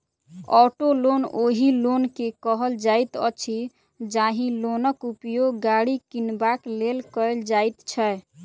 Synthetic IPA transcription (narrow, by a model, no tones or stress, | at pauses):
ɔʈolonoɦilonkekəɦəld͡ʒajt̪ə̰t͡ʃʰi | d͡ʒaɦĩlonəkupjoɡɡaɽikinbaklelkəeld͡ʒajt̪t͡ʃʰɛ